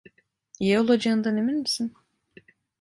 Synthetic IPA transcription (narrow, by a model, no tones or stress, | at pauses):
jeolˠad͡ʒaɯnd̪anemilmisin